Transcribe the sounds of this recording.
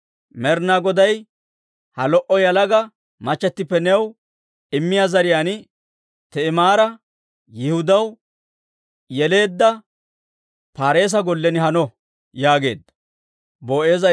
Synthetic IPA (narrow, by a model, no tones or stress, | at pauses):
mɛɾnaɡɔd̪ɐj | hɐlɔʔɔjɐlɐɡɐ | mɐt͡ʃːɛt̪ːɪpːɛnɛw | ɪmːɪjaːzɐɾɪjaːn | t̪ɛɪmaːɾɐ | jɪhʊd̪ɐw | jɛle̞ːd̪ːɐ | paːɾe̞ːs̬ɐɡɔlːɛnɪɦɐnɔ | jaːɡe̞̰ːd̪ːɐ̥ | boːʔe̞ːzɐ